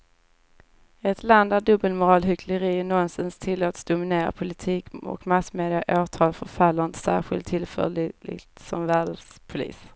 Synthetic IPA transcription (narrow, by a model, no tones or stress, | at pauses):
ɛt̪land̪æɖɵbəlmʊɾɑːlɦʏkʰləɾiːnɔnsɪnst̪ʰɪlːoːt̪sd̪ʊmɪneːɾa̰pʰʊlɪt̪ʰiːkɔ̰kmasmeːd̪ɪaʔoːt̪ʰɑːlfœɾfalːand̪sæ̰ːɾɧɪ̰lt̪ʰːɪlfœ̰lɪ̰t̪sɔmvæːɖəspʰʊlḭːs